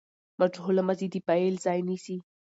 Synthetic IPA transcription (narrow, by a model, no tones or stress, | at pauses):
maʈ͡ʂholamazid̪ipaelzɑjnisi